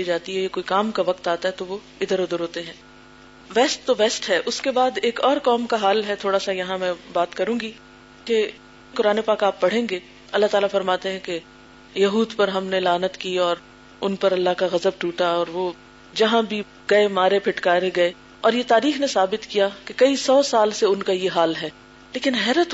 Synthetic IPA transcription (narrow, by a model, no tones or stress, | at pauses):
id͡ʒaːt̪iɦɛjekoːikaːmkaʋɐqt̪aːt̪aɦɛt̪oʋo | ɪd̪əɾʊd̪əɾɦoːt̪eɦɛ̃ː | ʋɛːsʈt̪oʋɛːsʈɦɛʔʊskebaːd̪eːkɔːɾkɔːmkaɦaːlɦɛt̪ʰoːɽasajɐɦãmɛ̃baːt̪kɐɾũːɡi | ke | kʊɾaːnepaːkaːpːɐɽ̤ẽːɡe | ɐlːaɦt̪aːlafɐɾmaːt̪eɦɛ̃ke | jɐɦuːd̪pɐɾɦɐmnelaːnət̪kiɔːɾ | ʊnpɐɾɐlːaɦkaɣɐzəb̚ʈuːʈaɔːɾʋoː | d͡ʒɐɦãbʱi | ɡɐemaːɾepʰɪʈkaːɾeɡɐe | ɔːɾjet̪aːɾiːxnesaːbɪt̪kijakekɐisɔːsaːlseʊnkajeɦaːlɦɛː | leːkɪnɦɛːɾət̪